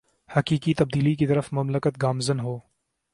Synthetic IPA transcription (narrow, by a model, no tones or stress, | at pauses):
hɐkiːkit̪ɐb̚d̪iːlik̬it̪əɾəfmɐmləkət̪̚ɡaːmzənɦoː